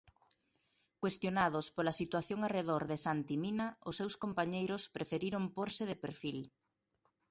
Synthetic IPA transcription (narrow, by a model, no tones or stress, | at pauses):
kwest̪jonað̞ʊspolɐsit̪waθjoŋareðoɾðɪsant̪iminɐʊsːewskompaɲejɾʊspɾefeɾiɾompoɾsɪðepeɾfil